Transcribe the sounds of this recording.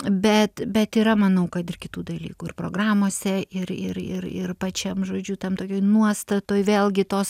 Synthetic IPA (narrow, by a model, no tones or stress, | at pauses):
bʲɛt̪bʲɛt̪iːɾɐmɐnɐʊkɐt̪ɪrkʲɪt̪uːd̪ɐlʲiːkuːɪrpɾoːɡɾɑːmoːsʲɛɪɾɪɾɪ̰ɾɪ̰rpɐt͡ʃʲɛmʒoːd͡ʒʲut̪ʲɛmt̪oːkʲoːjnuɔst̪ɐt̪oːjʋʲeːlˠɡʲɪt̪oːs